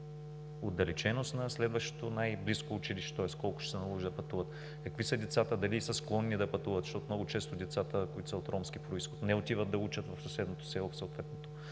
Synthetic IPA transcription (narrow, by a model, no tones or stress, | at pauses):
od̪ɐlɛt͡ʃɛnost̪nɐslɛd̪vəʃt̪o̥t̪onajbliskoːt͡ʃiliʃɛ̥t̪ɔɛskɔlˠkʊ̥ʃɛ̥sɛnɐlˠɔʒd̪ɐpɐt̪uvət̪ | kɐkvisəd̪ɛt̪sat̪əd̪ɐlisɐsklˠɔnːid̪ɐpɐt̪uvɐt̪z̥ʃt̪ɔt̪omnɔɡʊt͡ʃɛst̪ʊd̪ɛt̪sat̪əkoit̪ʊ̥səot̪ɾɔmsk̟ipɾoisxot̪nɛot̪ʲivət̪̚d̪ɐut͡ʃət̪vɐfsɐsɛd̪not̪o̥sɛlˠofsɐlˠt̪vɛt̪not̪o